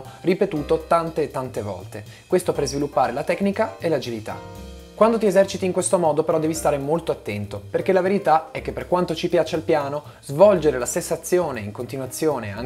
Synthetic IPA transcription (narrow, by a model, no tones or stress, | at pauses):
ripet̪uːt̪ot̪ant̪eːt̪ːant̪evɔ̰lt̪e | kwest̪opeɾzvilupːaːɾelat̪ɛkːnikaelad͡ʒilit̪a̰ | kwand̪ot̪iezɛrt͡ʃit̪iŋkwest̪omɔːd̪opeɾɔd̪ɛːvist̪aːɾemolt̪oat̪ːɛnt̪operk̟elaveɾit̪aɛk̟ːepːerkwant̪ot͡ʃipjaːt͡ʃealpjaːno | zvɔld͡ʒeɾelasensːat̪sːjoːneiŋkont̪inwat̪sːjoːnea̰ŋ